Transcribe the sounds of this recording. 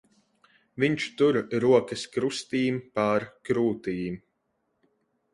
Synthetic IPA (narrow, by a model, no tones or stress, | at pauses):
viɲt͡ʃt̪uɾɾuɔkɐskɾust̪iːmpaɾkɾuːt̪iːm